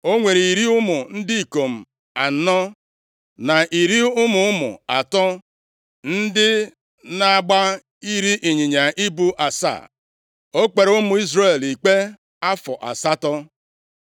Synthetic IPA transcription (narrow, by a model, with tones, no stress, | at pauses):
o˦ŋʷe˨ɾi˨i˨ɾi˦ʊ˦mʊ˨n̩˦dɪ˦i˨ko˨m̩˨ | a˨n̩˦nɔ˦ | na˨ʔi˨ɾi˦ʊ˦mʊ˨ʊ˦mʊ̰˨a˨tɔ˦ | n̩˦dɪ˦ | na˨ɡ͡ba˦ | i˦ɾi˦ʔi˨ɲɪ˨ɲa˨ʔi˦bu˦ʔa˨sa̰˦˨ | o˦k͡pe˨ɾʊ˦mʊ˨i˦zre˦˨li˨k͡pe˦ | a˦fɔ˨ʔa̰˨sa˦tɔ˦